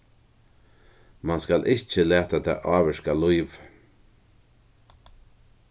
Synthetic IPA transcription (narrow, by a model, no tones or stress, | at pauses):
manskalʔɪht͡ʃəlæːt̪at̪ʰa̰ːʔɑːʋɛʃkalujv